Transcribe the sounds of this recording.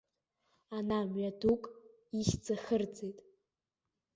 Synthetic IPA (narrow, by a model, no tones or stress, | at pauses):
anamɥadukʼ | iʃd͡zʼaχərd͡zejtʼ